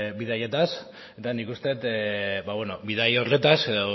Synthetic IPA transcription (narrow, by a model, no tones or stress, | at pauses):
biðajet̪as | e̞t̪anikust̪e̞t̪baβwenobiðajorle̞t̪ase̞ðo